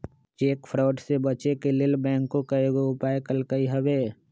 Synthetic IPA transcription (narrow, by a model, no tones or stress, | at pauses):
t͡ʃeːkpʰɾɔːʈsebət͡ʃekelɪlbɛ̃ːŋkːokəeɡoʊpaːekəlkəiɦəʋeː